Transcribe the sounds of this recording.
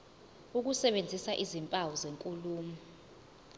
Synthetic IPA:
uk̬usɛɓend͡zʱisaʔizimpʼawɔzeŋkʼuluːmi

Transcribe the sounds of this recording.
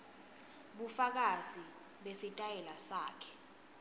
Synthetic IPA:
ɓufak̬azi | ɓesitʼajɛlasaːkʰɛ̥

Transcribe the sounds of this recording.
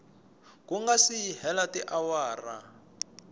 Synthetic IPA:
kuŋɡasihɛlatiʔawaːra̰

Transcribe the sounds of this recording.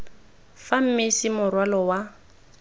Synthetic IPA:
fam̩mɪsimʊrwalɔwa

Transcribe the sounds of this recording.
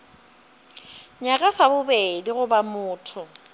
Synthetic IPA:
ɲakʼasabʊbediɣʊbamʊːtʰʊ

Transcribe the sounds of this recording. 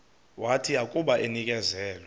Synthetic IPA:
watʰiakʼuɓaʔenikʼɛzɛːlɛ

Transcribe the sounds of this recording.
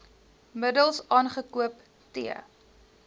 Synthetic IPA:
mədəlˠsɑːnχəkuəp | tiə̰

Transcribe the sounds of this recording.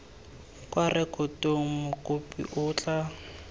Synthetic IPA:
kʼwarɪkʼʊtoŋ̩mʊkʼʊpʼḭʔʊːt͡ɬʼa

